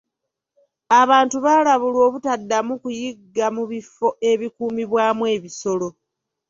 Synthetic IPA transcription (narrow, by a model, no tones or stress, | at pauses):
aβaːntuβalaβulwo̞ːβutadːamukujiɡːamuβifo̞ʔe̞βikuːmiβwaːmwe̞ːβiso̞lo̞